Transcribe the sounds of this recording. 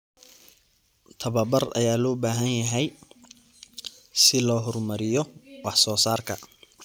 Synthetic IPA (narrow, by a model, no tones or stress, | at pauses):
t̪ʰɐβɐbɐrɐ̰jaːlɔːbaːɦɐnjɐɦɛj | sɪlɔːɦɔrmɐɾɪjɔwɑħsɔːsaːrkʰɐ